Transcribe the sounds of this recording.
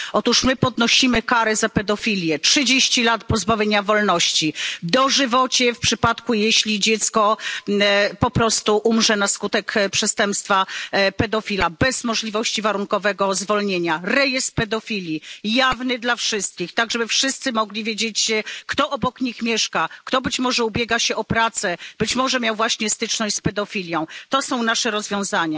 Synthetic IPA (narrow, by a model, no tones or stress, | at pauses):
ɔt̪uʂmɘpɔd̪nɔɕimɘkaɾɛzapɛd̪ɔfʲilʲjɛtʂɘd͡ʑeɕt͡ɕilat̪̚pɔzbavʲjeɲavɔlnɔɕt͡ɕid̪ɔʐɘvɔt͡ɕɛfpʂɘpat̪kujeɕlʲid͡ʑɛt̪skɔ | pɔpɾɔst̪uʔumʐɛnaskut̪ɛkpʂɛst̪ɛmpst̪fapɛd̪ɔfʲilabɛzmɔʐlʲivɔɕt͡ɕivaɾuŋkɔvɛɡɔzvɔlɲeɲaɾɛjɛst̪̚pɛd̪ɔfʲilʲjijavnɘd̪lafʂɘst̪̚kʲixt̪aɡʐɛbɘfʂɘst̪sɘmɔɡlʲivʲjed͡ʑet͡ɕkt̪ɔʔɔbɔkɲixmʲjɛʂkakt̪ɔbɘt͡ɕmɔʐɛubʲjeɡaɕɛɔpɾat̪sɛb̥ɘt͡ɕmɔʐɛmʲjawvwaɕɲɛst̪ɘt͡ʂnɔɕt͡ɕʲspɛd̪ɔfʲilʲjɔ̃w̃t̪ɔsɔ̃w̃naʂɛɾɔzvʲjɔ̃w̃zaɲa